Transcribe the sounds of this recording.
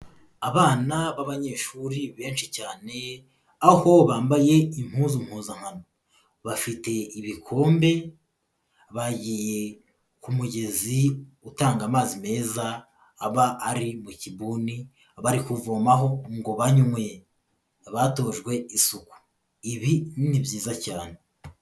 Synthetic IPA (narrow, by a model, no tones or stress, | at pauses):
aβaːnaβaβaɲe̞ʃuɾiβe̞ːnʃicaːne̞ | aho̞βaːmbaje̞im̥huːzum̥huːzaŋ̥hano̞ | βafite̞iβikʰo̞ːmbe̞ | βaɟije̞ | kumuɟe̞ziutaːŋɡamaːzime̞ːzaː | βaːɾimucibuːni | aβaɾikuvoːmaɦo̞ŋɡo̞βaɲumwe | βato̞ʒɡwe̞isuku̥ | iβinnibjiːzacaːne̞